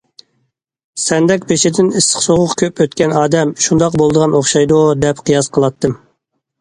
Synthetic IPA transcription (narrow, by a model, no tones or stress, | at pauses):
sɛnd̪ɛkʲbeʃɪd̪ɪnisə̥χsoʁʊqkʲʰøpøt̪kʲɛnɑːd̪ɛmʃund̪ɑqbolˠd̪əʁɑnoχʃɑjd̪ud̪ɛpqʰijɑsqʰəlˠɑt̪ʰːɨm